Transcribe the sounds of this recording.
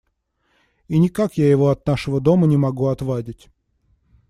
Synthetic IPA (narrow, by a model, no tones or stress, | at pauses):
inʲɪkakjajɪvo̞ɐt̪naʂəvəd̪o̞mənʲɪmɐɡuɐt̪vadʲɪtʲ